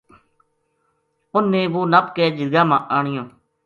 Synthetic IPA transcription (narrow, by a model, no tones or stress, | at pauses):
ʊnːẽːʋoːnəpkɛːd͡ʒɪd̪ɡãːmãːʔaːɳɪjõː